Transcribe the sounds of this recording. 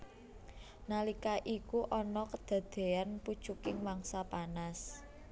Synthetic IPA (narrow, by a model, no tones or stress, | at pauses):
nalikaʔikuʔɔnɔkəd̪̥ä̤d̪̥e̤anpud̥ʒ̥ukɪŋwaŋsapanas